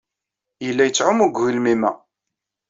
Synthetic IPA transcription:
jəlːæjət͡sːʕʊmuɡʷwilmimæ̰

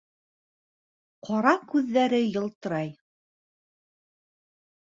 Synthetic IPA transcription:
qʰɑɾɑkʉðːæɾɘjɤ̆lˠt̪ɤ̆ɾɑj

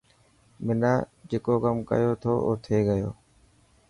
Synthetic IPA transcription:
mɪnaːd͡ʒeːkoːkəmkə̰joːt̪ʰoːʔoːt̪ʰeːɡəjo̰ː

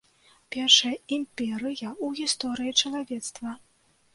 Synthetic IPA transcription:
pʲɛrʂɐjɐimʲpʲɛɾɨjɐuɣʲist̪ɔɾɨjit͡ʂɐlˠavʲɛt̪st̪vɐ

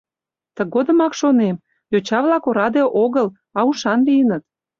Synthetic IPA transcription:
t̪ə̆ɣod̪ə̆mɑkʃonem | jot͡ɕɑβlɑkoɾɑd̪eʔoɣəl | ɑuʃɑnlijənət̪̚

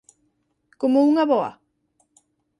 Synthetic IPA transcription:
komouŋaβoa̰

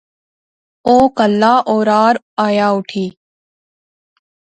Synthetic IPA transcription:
oːkəlːaːʔoːɾaːɾ | aːjaːʊʈʰiː

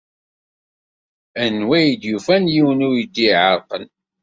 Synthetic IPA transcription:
ænːwæjd̪jufænjiwənʊɾjəd̪ːiʕəɾˤqən

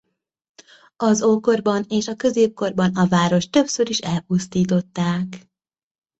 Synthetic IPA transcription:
ɒzoːko̞rbɒneːʃɒkø̞zeːp̚ko̞rbɒnɒvaːɾo̞ʃt̪ø̞psø̞ɾiʃɛlpust̪iːt̪o̞t̪ːaːk

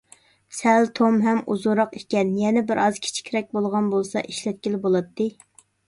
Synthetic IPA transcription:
sɛlt̪ʰomɦɛmʔuzuɾɑqekʲɛnjɛnɛbɪɾɑzkʲʰi̥t͡ʃʰi̥kʲɾɛk̚ʲbolˠʁɑnbolˠsɑ̰ʔiʃlɛt̪̚kʲilɪbolˠɑt̪ʰːɨ

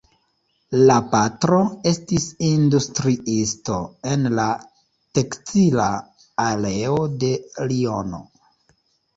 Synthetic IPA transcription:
lapatɾo̞e̞stisindustɾiisto̞e̞nla | tektila̰ː | le̞ode̞lio̞no̞̰

